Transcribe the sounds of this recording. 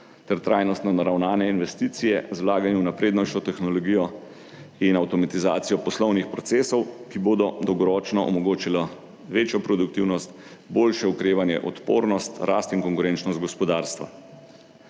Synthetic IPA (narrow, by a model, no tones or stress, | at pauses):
t̪ɛɾt̪ɾaːjnɔst̪nɔnaɾawnaːnɛinʋɛst̪iːt̪sijɛ̰zwlaːɡanjuwnapɾeːd̪nɔt͡ʃɔt̪ɛxnɔlɔɡiːjɔ | inawt̪ɔmat̪iza̰ːt̪sijɔpɔslɔwnixpɾɔt̪seːsɔwkiboːd̪ɔd̪ɔwɡɔɾɔːt͡ʃnɔʔɔ̰mɔɡoːt͡ʃila | ʋeːt͡ʃjɔpɾɔd̪ukt̪iwnɔst̪boːlʃɛukɾeːʋanjɛ̰ʔɔt̪po̰ːɾnɔst̪ɾaːst̪iŋkɔŋkuɾent͡ʃnɔst̪̚ɡɔspɔd̪aːɾst̪ʋa̰